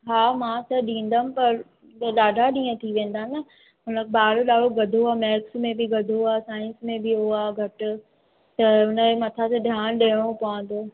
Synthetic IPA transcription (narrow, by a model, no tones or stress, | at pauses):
ɦaːmãːt̪ɐɗĩːn̆d̪anɪ̆pɐɾ | ɗaːɖʱaɗĩːə̃t̪ʰiʋẽːnd̪aːnɐ | ɦʊnəkʰebɓaːɽoɗaːɽ̤oɡɐd̪ʱoaːmɛːksmẽbɪɡɐd̪ʱoaːsãːɪ̃nsmẽbɪɦoaːɡʱɐʈʊ̆ | t̪ɐɦʊnəemɐt̪ʰaseɗʱjaːɽ̃ɗɐɽ̃õpɐʋə̃nd̪oː